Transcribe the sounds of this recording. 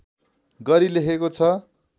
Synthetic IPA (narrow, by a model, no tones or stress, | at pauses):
ɡʌɾileɦekot͡sʰʌ